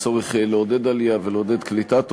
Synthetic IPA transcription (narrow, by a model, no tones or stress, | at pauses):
t͡saʁiχleod̪ed̪alijaveleod̪ed̪klit̪at̪